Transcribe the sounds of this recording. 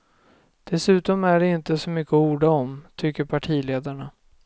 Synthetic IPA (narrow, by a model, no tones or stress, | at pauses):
d̪̥ɛsʉ̟ːt̪ɔmæɖɛɪnt̪əsɔmʏkːəuːɖaɔmt̪ʰʏkːəɾpʰaʈʰiːleːd̪aɳa